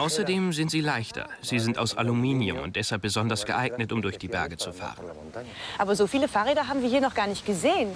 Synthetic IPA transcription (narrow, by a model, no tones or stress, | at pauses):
ʔaʊsɐdeːmzɪntz̥iːlaɪçtʰɐ̰z̥iːzɪnta̰ʊsa̰lumiːnjʊ̰mʊ̰nt̚d̥ɛshalp̚b̥əzɔndɐsɡ̥əʔaɪɡnətʊmdʊɐçd̥iːbɛɐɡət͡sufa̰ːʁən | ʔaːbɐzofiːləfaːʁeːdɐɦaːbm̩viːɐɦiːɐnɔχɡ̥aːɐnɪçtɡ̥əzeːən